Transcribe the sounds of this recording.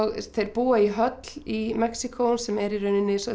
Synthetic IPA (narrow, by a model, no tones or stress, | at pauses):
ɣθejɾpuːaiɦœt̪l̥imɛksikʰownsɛmɛɾirʏnɪnːɪsɔ